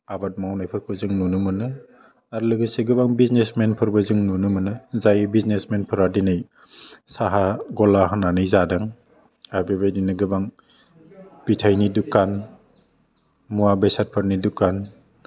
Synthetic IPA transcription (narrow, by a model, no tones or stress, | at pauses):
abat̚mawnajpʰɯɾkʰɯzɯŋnunɯmɯnɯ | aɾlɯɡɯseɡɯbaŋbiznesmenpʰɯɾbɯzɯŋnunɯmɯnɯzajbiznesmenpʰɯɾadinɯj | saɦaɡɔlaɦananɯjzadaŋ | aɾbebajdinɯɡɯbaŋ | b̥itʰajnidukan | muabejsat̚pʰɯɾnidukan